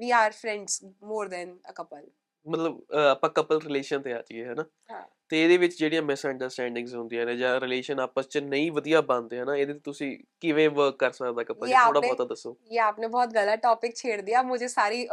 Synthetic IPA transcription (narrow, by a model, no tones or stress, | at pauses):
ʋiːaːɾfʰɾɛ̃ːɳɖsmoːɾd̪ɛːnəkəpəl | mət̪ləbaːpãːkəpəlɾɪleːʃənt̪eːaːt͡ʃieɦɛːnaː | ɦat̪eːeːd̪eːʋɪt͡ʃd͡ʒeːɽijãːmɛːsəɳɖəɾsʈɛ̃ːɳɖɪ̃ŋɡzɦʊ̃nd̪ĩjãnẽːd͡ʒãːɾɪleːʃənaːpəst͡ʃənəĩːʋəd̪ijaːbãːnd̪eːɦɛnaːeːd̪eːt̪et̪ʊsĩːkɪʋẽːʋəɾkːəɾsəkd̪aːkəpəleaːoːɽabɔːt̪ad̪əsːoːjeːaːpnẽːbɔːt̪ɡəlːaːʈɔːpɪk̚t͡ʃʰeːɽd̪ijaːmʊd͡ʒʱeːsaːɾiː